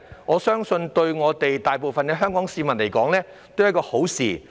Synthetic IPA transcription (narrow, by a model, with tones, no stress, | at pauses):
ŋɔː˨˧sœː˥ŋsɵ˧nt̪ɵ˧ɥŋɔː˨˧t̪e˨jt̪aː˨jp̬o˨wfɐ˨nkɛː˧ɦœː˥ŋkɔː˨˥ŋsiː˨˧mɐ˨nle˨˩jkɔː˨˥ŋlɛː˥ | t̪o˥wjɐ˥kɔː˧ho˨˥wsḭː˨